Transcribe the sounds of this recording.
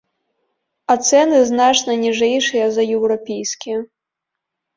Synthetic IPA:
ɐt̪sɛnɨznat͡ʂnɐnʲiʐɛjʂɨjɐzɐjɛwɾɔpʲejsʲkʲiɐ

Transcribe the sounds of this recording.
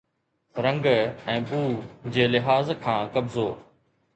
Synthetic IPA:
ɾɐ̃ŋɡɛ̃ːɓuːd͡ʑeːlɪɦaːzkʰãːkɐbzoː

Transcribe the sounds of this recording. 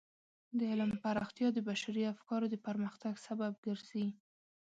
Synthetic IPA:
d̪əɪləmpaɾɑxt̪jɑd̪əbaʃaɾiafkɑɾod̪əpaɾməxt̪aɡsabab̚ɡəɾz̥i

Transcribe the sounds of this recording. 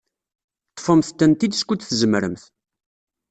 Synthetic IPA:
t̪ˤːfəmθt̪ːænt̪id̪skʷːut͡sθəzəmɾəmθ

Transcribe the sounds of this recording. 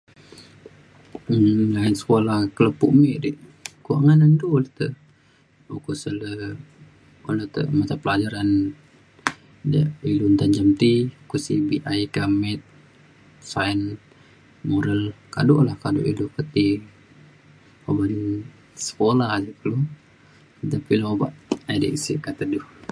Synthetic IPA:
lainsə̥kolahkələpuʔmɛʔdiʔkua̰ʔŋanəndolət̪ə | ukusələ | olət̪ə̰ʔmat͡ʃapəlad͡ʒaɾan | dəilunt̪and͡ʒamt̪iukusibiʔaikamɛt̪̚ | saən | moɾəlkadɔʔlahkado̰ʔilukət̪i | oban | sə̥kolahd͡ʒəkəlu | t̪apiloba̰ʔadḭʔsḭkat̪əduh

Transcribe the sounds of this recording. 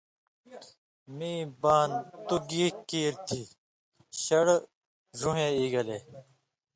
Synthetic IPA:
miːbaːnt̪uɡiːkiːɾt̪ʰiː | ɕɐɽ | zuɦẽːiːɡɐle

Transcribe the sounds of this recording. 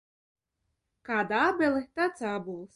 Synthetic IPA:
kad̪abelˠɨt̪at͡sabulˠs

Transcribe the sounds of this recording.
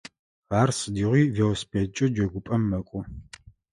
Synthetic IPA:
aːrsɨdiːʁʷiːvewspʰʼet͡ʃʼɐd͡ʒɐɡʷʊpʼɐmːɐkʷʼʊ

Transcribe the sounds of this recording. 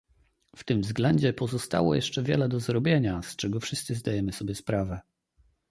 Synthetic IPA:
ft̪ɘmvzɡlɛɲd͡ʑɛpɔzɔst̪a̰wɔ̰jɛ̰ʂt͡ʂɛvʲjɛ̰lɛd̪ɔzɾɔbʲjeɲast͡ʂɛɡɔfʂɘst̪sɘzd̪ajɛmɘsɔbʲjɛspɾavɛ

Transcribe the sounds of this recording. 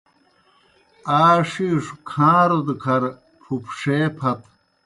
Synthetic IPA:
aːʂiʂukʰãːɾod̪kʰɐɾ | pʰupʂeːpʰɐt̪

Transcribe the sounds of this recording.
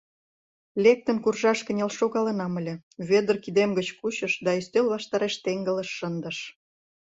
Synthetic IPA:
lʲek̚t̪ə̆nkurʒɑʃkə̆nʲelʃoɣɑlə̆nɑməlʲĕβed̪ərkid̪emɡət͡ɕkuɕə̆ʃd̪ɑist̪ølβɑʃt̪ɑɾeʃt̪eŋɡə̆lə̆ʃːənd̪əʃ

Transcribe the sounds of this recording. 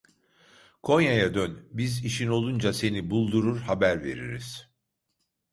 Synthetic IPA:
kʰo̞njajad̪ønbiziʃino̞lˠund͡ʒase̞nibulˠd̪uɾuɾhabæɾve̞̰ɾḭɾḭz̥

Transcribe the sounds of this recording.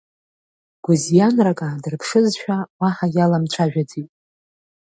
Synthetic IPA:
ɡ̥ʷʊzjanrakʼadɨrpʰʂɨzʃᶣawaħajalamt͡ʃʷʰaʒᶣad͡zitʼ

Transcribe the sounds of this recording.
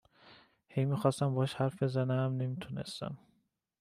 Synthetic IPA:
hejmiːxɒːst̪æmbɒʃhæɾfbe̞zænæmne̞mit̪ʰunest̪æ̰m

